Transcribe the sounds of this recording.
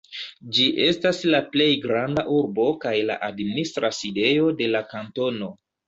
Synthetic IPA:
d͡ʒiʔe̞staslaple̞jɡɾandaʔuɾbo̞kajla̰ʔadministɾaside̞jo̞de̞lakanto̞no̞

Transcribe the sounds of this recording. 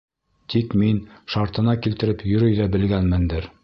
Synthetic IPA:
t̪ikminʃɑɾt̪ɤ̆nɑkilt̪ɘ̆ɾɘpjɵ̆ɾɵjðæbɘ̆lɡænmɘ̆nd̪ɘɾ

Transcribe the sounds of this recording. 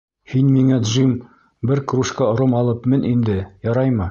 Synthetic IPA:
hinmiŋæd̪ʒim | bɘɾkɾuʃkɑŏɾomɑlˠɤpmɘnʔind̪ɘjɑɾɑjmɤ

